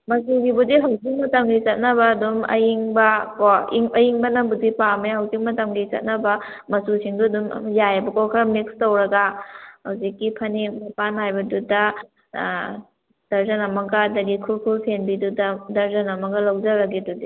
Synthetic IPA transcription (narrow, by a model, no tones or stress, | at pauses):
mɐsuɡibudiɦɐwzik̚mɐtɐmɡit͡ʃɐt̚nɐbɐːdumɐ̰jiŋbɐkɔiŋɐjiŋbɐnɐmbudipameɦɐwzik̚mɐtɐmɡit͡ʃɐ̰t̚nɐbɐmɐsusiŋduɐdum̰jajbɐkɔkʰaɾmikstowɾɐɡahɐwzikːipʰɐnimapanhajbɐdudɐ | d̥ɐɾzɐnɐmɐɡɐːdɐdikʰulkʰulpʰenbidudɐdɐɾzɐnɐmɐɡɐlawd͡ʒɐɾɐɡidudi